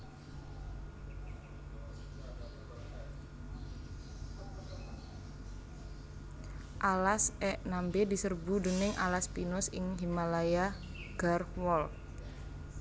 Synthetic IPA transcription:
ʔalasɛʔnambedisərbudənɪŋa̰laspinʊsɪŋɦimalaja | ɡ̥arwɔl

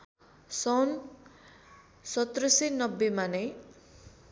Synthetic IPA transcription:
sʌwn | sʌt̪rʌsenʌbːemane

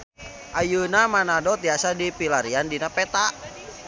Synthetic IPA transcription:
ʔajunamanadɔt̪iasadipilaɾiandinapɛt̪aʔ

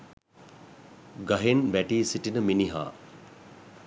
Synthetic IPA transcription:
ɡɐɦenbæʈiːsiʈinəminiɦa̰ː

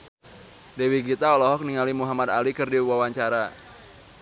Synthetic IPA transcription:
dewiɡit̪aɔlɔɦɔk̚niŋalimuɦamad̪alikɨrdiwawaɲt͡ʃaɾa

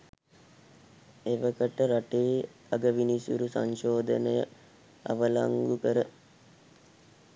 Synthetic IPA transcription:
eʋəkəʈəɾaʈeː | aɡəʋinisṵɾusa̰ɲʃoːd̪ənəjə | a̰ʋəlaŋɡukəɾə

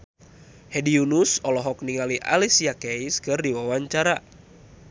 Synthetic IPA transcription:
hɛdiunusɔlɔɦɔk̚niŋaliʔa̰lisijakɛiskɨrdiwawaɲt͡ʃaɾa

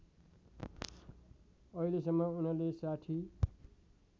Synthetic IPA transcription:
ʌilesʌmːʌunʌlesaʈʰi

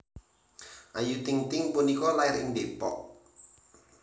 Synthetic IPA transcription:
ʔajut̪ɪŋt̪ɪŋpunikɔlaɪɾindepɔ̰ʔ

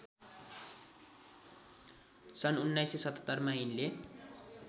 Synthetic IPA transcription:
sʌnunːajsesʌt̪ʌ̥t̪ːʌrmʌinle

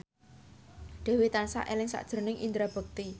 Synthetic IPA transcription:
d̪̥ɛ̤wit̪ansa̰ʔelɪŋsa̰ʔd̥ʒ̥ə̤rnɪŋʔḭnd̪ɾab̥ə̤k̚t̪i

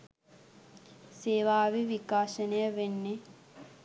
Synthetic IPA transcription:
seːʋaːʋiʋikaːʃənəjəʋenːe

